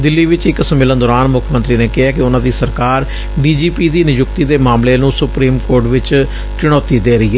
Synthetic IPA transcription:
d̪ɪlːiːʋɪt͡ʃɪksəmɪːlənd̪ɔːɾaːnmʊkʰːmə̃nt̪ɾiːneːkɪɦɛːkɪʊnãːd̪iːsəɾkaːɾ | ɖiːd͡ʒiːpiːd̪iːnɪjʊkt̪iːd̪eːmaːmleːnũːsʊpɾiːmkoːɾʈʋɪt͡ʃ | t͡ʃɪɽ̃ɔːt̪iːd̪eːɾəiːɡɛː

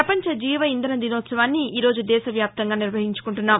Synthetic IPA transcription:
ɐpɐɲt͡ʃɐd͡ʒiːʋɐind̪ɐɾɐnd̪inoːt̪sɐʋaːnːiiːɾo̞ːd͡ʒud̪ɛːʃɐʋjaːp̚t̪ɐŋɡaːniɾʋɐɦiɲt͡ʃu̥kuɳʈunːaːm

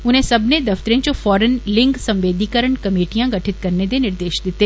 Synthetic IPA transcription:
ʊnɦẽsɐbned̪ɐft̪əɾẽt͡ʃofɔːɾənlɪ̃ŋɡsɐ̃mʋeːd̪ʱikəɾəɳkɐmeːʈijãɡɐʈʰɪt̪kɐɾned̪enɪɾd̪eːʃd̪ɪt̪ːe

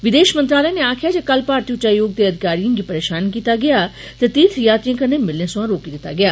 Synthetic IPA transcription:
ʋɪd̪eːʃmənt̪ɾaːlɛneaːkʰjaːd͡ʒaːkəlpaːɾt̪iːʊt͡ʃːaːjoːɡ̚d̪eːəd̪ɪkaːɾijãːɡiːpəɾeːʃaːnkiːt̪aːɡɪjaː | t̪et̪iːt̪ʰjaːt̪ɾijãːkəɾneːmɪlnẽːsʊãːɾoːkiːd̪ɪt̪ːa̰ːɡɪjaː

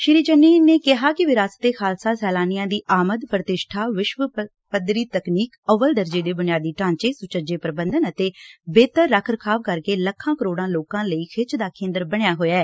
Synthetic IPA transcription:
ʃɪɾiːt͡ʃənːiːneːkɪɦaːkɪʋɪɾaːsə̥t̪eːxʰaːlsaːsɛːlaːnɪjãːd̪iːʔaːməd̪pɾət̪ɪʃʈʰaːʋɪʃʋə | pəd̪ɾiːt̪əkniːkəʋːəld̪əɾd͡ʒeːd̪eːbʊnɪjaːd̪iːʈãːɲt͡ʃeːsʊt͡ʃəɾd͡ʒeːpɾəbə̃nd̪ənət̪eːbeːt̪əɾːəkʰɾkʰaːʋkəɾkeːləkʰːãːkəɾoːɽãːloːkãːləiːkʰɪt͡ʃd̪aːkẽːnd̪əɾbəɳjaːɦoːjɛː

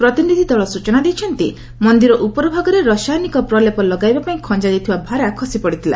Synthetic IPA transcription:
pɾɔt̪inid̪ʱid̪ʱɔɭɔsut͡ʃɔnad̪et͡ʃʰɔnt̪i | mɔnd̪iɾɔʔupɔɾɔbʱaɡɔɾeɾɔsajnikɔpɾɔlepɔlɔɡajbapaĩkʰɔnd͡ʒad̪it̪ʰibabʱaɾakʰɔsipɔɽit̪ʰila̰

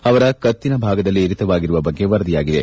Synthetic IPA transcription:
ɐʋɐɾɐkɐt̪ːinɐbʱaːɡɐd̪ɐlːieɾit̪ɐʋaːɡiɾuʋɐbɐɡːe̞ʋɐɾɐd̪ijaːɡid̪e̞̰

